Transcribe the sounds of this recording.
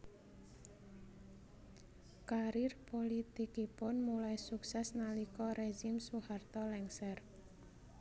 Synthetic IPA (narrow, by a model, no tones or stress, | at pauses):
kaɾirpolit̪ikipʊnmulaisuksɛsnalikɔɾeʒimsuhart̪ɔlɛŋsɛr